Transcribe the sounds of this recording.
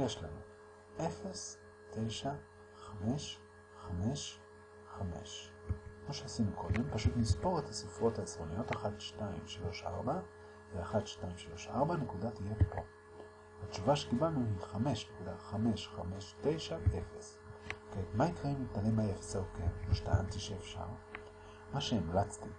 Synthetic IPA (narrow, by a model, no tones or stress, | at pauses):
jeʃlanu | ʔe̞fe̞s | te̞jʃa | χame̞ʃ | χame̞ʃ | χame̞̰ʃkmoʃeasinukʰo̞de̞mpaʃutnispo̞ʁethasifuʁo̞thaesʁo̞nijo̞taχatʃtaḭmʃalo̞ʃa̰ʁba | veaχatʃtaimʃalo̞ʃaʁbane̞kudatijepo̞̰ | hatt͡ʃuvaʃekibalnuhiχame̞ʃnekudaχame̞ʃχame̞ʃte̞jʃaʔefes | ketmaikʁaimlitalemajefsakenoʃtaantiʃeːfʃa̰ʁ | maʃeːmlat͡sti